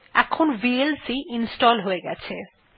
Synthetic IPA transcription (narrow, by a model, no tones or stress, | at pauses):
ɛ̰kʰonbielsiʔinsʈɔlɦoeɡɛt͡ɕʰe